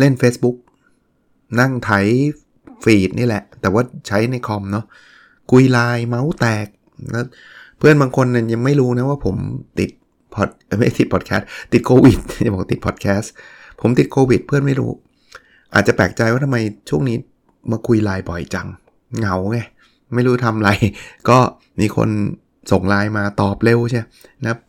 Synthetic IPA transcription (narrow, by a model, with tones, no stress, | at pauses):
le˥˩nfeː˦˥sbu˦˥k̚ | na˥˩ŋt̪ʰa˩˦j | fiː˨˩t̪̚niː˥˩lɛ˨˩ʔt̪ɛː˨˩waː˥˩t͡ɕʰa˦˥jna˧jkʰɔ˧mnɔ˦˥ | kʰu˧jlaː˧jma˦˥wt̪ɛː˨˩k̚ | lɛː˦˥w | pʰɯ˥˩ənbaː˧ŋkʰo˧nːa˧˩ja˧ŋma˥˩jɾuː˦˥na˦˥waː˥˩pʰo˩˦mt̪i˨˩t̪̚ | pʰɔ˨˩t̪̚ma˥˩t̪i˨˩t̪̚pʰɔː˨˩t̪̚kʰɛː˦˥t̪ːi˨˩t̪̚kʰoː˧wi˨˩t̪̚ja˨˩bɔː˨˩k̚t̪i˨˩pʰɔː˨˩t̪̚kʰɛː˦˥s | pʰo˩˦mt̪i˨˩t̪̚kʰoː˧wi˨˩t̪̚pʰɯ˥˩ənma˥˩jɾṵː˦˥ | ʔaː˨˩t̪̚t͡ɕa˨˩pɛː˨˩k̚t͡ɕa˧jwaː˥˩t̪a˧mːa˧jt͡ɕʰu˥˩ŋniː˦˥ | maː˧kʰu˧jlaː˧jbɔ˨˩jt͡ɕa˧ŋ | ŋa˨˩wŋa˧˩ | ma˥˩jɾuː˦˥t̪ʰa˧mla˧jkɔː˥˩ | miː˧kʰo̰˧n | so˨˩ŋlaː˧jmaː˧t̪ɔː˨˩p̚le˧wt͡ɕʰi˥˩˧na˦ka˦˥p̚